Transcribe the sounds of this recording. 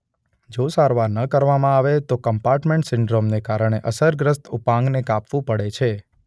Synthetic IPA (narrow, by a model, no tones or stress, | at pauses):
d͡ʒosaɾʋaɾnəkəɾʋamãaʋet̪okəmpaɾʈmẽɳʈsɪɳɖɾomnekaɾəɳ̃eʔəsəɾɡɾəst̪upãŋɡnekapʋũpəɽet͡ʃʰe